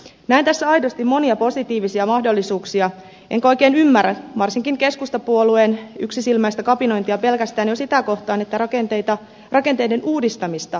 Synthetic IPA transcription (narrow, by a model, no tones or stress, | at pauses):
næint̪æsːæɑjdost̪imo̞niɑpo̞sit̪iːʋisiɑmɑhdo̞lːisuːksiɑ | ʔeŋko̞jke̞ːnymːæræʋɑrsiŋkiŋke̞skust̪ɑpuolueny̰ksisilmæjst̪ækɑpino̞int̪iɑpe̞lkæst̪æːnjo̞sit̪æko̞ht̪ɑːnet̪ːærɑkent̪et̪ɑ | rɑkent̪ejde̞nuːdist̪ɑmist̪ɑ